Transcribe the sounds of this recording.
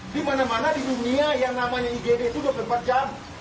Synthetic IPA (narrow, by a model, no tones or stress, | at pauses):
dimanamanadiduniajaŋnamaɲaiɡedeit̪uduapləmpat̪̚d͡ʒam